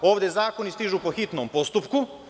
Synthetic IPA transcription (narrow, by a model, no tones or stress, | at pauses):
oːʋd̪ezaːko̞nist̪iʒuːpoxit̪nompo̞st̪upku